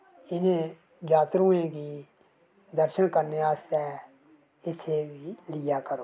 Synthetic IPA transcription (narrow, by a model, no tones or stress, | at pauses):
ɪnẽː | d͡ʒaːt̪ɾũːẽːkiː | d̪əɾʃənkəɾneːaːst̪ɛː | ɪt̪ʰːeːʋiːlɪjaːkəɾoː